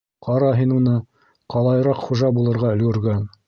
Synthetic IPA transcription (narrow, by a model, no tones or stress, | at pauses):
qɑɾɑɦinunɤ | qɑlˠɑjɤ̆ɾɑqχuʒɑbulˠɤ̆ɾʁɑɵ̆lɡɵ̆ɾɡæn